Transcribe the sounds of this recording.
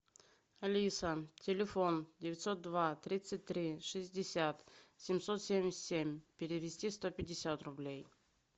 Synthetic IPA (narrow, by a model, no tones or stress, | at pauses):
ɐlʲisətʲɪlʲɪfo̞ndʲɪvʲɪt̪ʲso̞t̪̚d̪vat̪ɾʲit̪sɨt̚ʲt̪ːɾʲiʂɨzʲdʲɪsʲat̪sʲɪmʲsot̪sʲemʲɪsʲt̪ʲsʲemʲpʲɪɾʲɪvʲɪsʲtʲist̪opʲɪdʲɪsʲat̪rʊblʲej